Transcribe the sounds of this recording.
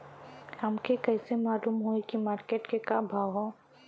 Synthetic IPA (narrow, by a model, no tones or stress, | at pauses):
hɐmkekɛɪsemaːluːmɦoikimaːɾkeːʈkekabʱaːɦo